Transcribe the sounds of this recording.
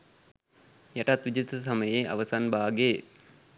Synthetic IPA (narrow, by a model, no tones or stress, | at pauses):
jɐʈɐt̪ʋid͡ʒit̪ɐsɐmɐjeʔɐ̰ʋɐsanbaːɡeː